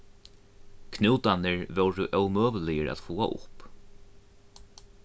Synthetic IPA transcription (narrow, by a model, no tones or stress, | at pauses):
kʰnɪwt̪anɪɹvœwɾəʔœwmøːvəlɪjəɾæ̰t̪fuːa̰ʔʊ̰p